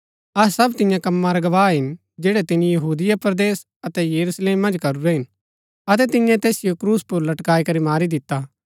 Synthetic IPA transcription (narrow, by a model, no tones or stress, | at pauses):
ɐsɐbt̪ɪ̃jãkɐ̃mːãɾaɡɐʋaːɦɪn | d͡ʒeːɽɛt̪ɪnijɐɦuːd̪ɪjapɾɐd̪eːs | ɐt̪ɛjɐɾusleːmːɐ̃nd͡ʒkɐɾuɾɛɦɪn | ɐt̪ɛt̪ɪ̃jɛ̃t̪ɛːsɪjokɾuːspʊɾlɐʈkaːikɐɾimaːɾid̪ɪt̪ːa